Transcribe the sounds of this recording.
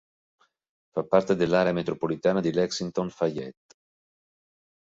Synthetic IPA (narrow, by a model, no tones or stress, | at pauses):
fapːart̪ed̪elːaːɾeamet̪ɾopolit̪aːnad̪ilɛksint̪onfajɛt̪ː